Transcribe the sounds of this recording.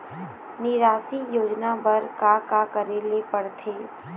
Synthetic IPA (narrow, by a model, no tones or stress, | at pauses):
nɪɾaːsijoːd͡ʒnabɐɾkakakəɾelepəɽt̪ʰeː